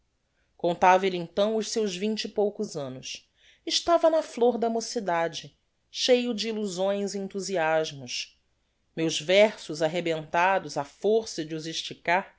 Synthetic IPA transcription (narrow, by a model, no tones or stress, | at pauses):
kõnt̪avɐlɪẽt̪ɐ̃w̃ʊʃsewzvĩnt͡ʃɪɪpowkʊzɐ̃nʊs | ɪʃt̪avɐnɐfloɾd̪ɐmosid̪ad͡ʒɪ | ʃejʊd͡ʒɪːluzõj̃ziẽnt̪uziaʒmʊs | mewzvɛɾsʊzaɦebẽnt̪ad̪ʊzɐfoɾsɐd͡ʒɪuziʃt͡ʃikaɾ